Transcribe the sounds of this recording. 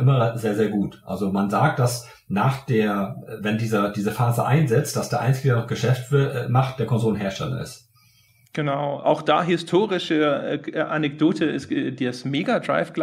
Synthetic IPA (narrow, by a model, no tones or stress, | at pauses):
ʔɪmɐzeːɐzeːɐɡuːtʔa̰lzomanzaːk̚t̚d̥as | naːχd̥eːɐvɛndiːzɐdiːzəfaːzəʔa̰ɪnzɛt͡st̚d̥asd̥eːɐʔa̰ɪnt͡sɪɡɡənɔχɡ̥əʃɛftvmaχt̚d̥eːɐkʰɔnzoːlənɦeːɐʃtɛ̰lɐ̰ɪ̰st | ɡ̥ənaʊʔa̰ʊxd̥a̰ːɦɪstʰoːʁɪʃəʔanɛk̚d̥oːtʰəɪsdeːɐsmeːɡadʁa̰ɪfɡ̥l